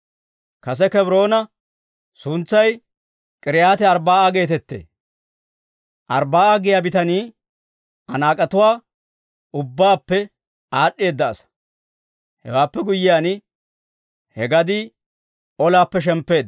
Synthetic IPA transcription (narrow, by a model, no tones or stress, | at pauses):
kɐs̬ɛkɛbɾo̞ːnɐ | sʊnt͡sːɐj | kʼɪɾɪjaːt̪ɛɐɾbaːaɡe̞ːt̪ɛt̪ːḛː | ʔɐ̰ɾbaːʔaɡɪjaːbɪt̪ɐniː | ʔɐ̰naːkʼɐt̪ʊwaː | ʊbːaːpːɛ | aːɗːe̞ːd̪ːɐːsɐ̥ | hɛ̰waːpːɛɡʊjːɪjaːnɪ | hɛɡɐd̪i | ɔlaːpːɛʃ̬ɛmpːe̞ːd̪